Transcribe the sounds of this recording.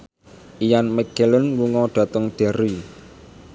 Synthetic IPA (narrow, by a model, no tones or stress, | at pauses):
ʔijanmɛɡ̥elənwuŋɔɖ̥ä̤t̪əŋɖ̥ɛ̤ɾi